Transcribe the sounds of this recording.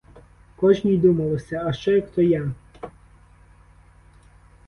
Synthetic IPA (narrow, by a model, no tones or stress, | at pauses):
kɔʒnʲijd̪umɐlˠɔsʲɐɐʃt͡ʃɛjɐkt̪ɔja